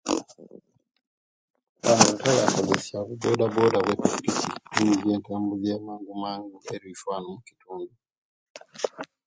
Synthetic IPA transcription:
βanutajakaβesiaβubodabodaβwetukisitunzieːnteːmbuzemaːŋɡumaːŋɡueɾifwaːnumuki̥tuːndu

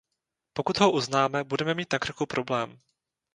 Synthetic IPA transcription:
po̞kut̪ɦo̞ʔuznaːmɛbudɛmɛmiːt̪nakr̩xupɾo̞blɛːm

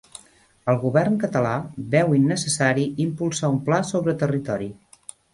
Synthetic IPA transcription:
əlˠɣuβɛrnkət̪əlaβɛwinːəsəsaɾiimpulˠsaumplasoβɾət̪ərit̪ɔɾi

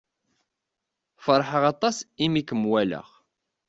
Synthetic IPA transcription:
fəɾˤħəʁɑt̪ˤɑsimikːəmwælə̰ʁ

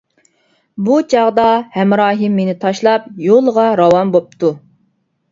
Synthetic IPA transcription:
but͡ʃʰɑʁd̪ɑhɛmɾɑːɦɨmːenɪt̪ʰɑʃlˠɑp̚jolˠʁɑɾɑwɑmbop̚t̪ʰu

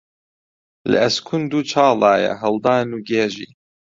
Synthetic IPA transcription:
lɨ̰ɛskʰund̪uːt͡ʃʰɑːlɑːjɛ̰ɦɐld̪ɑːnuːɡeːʒḭː

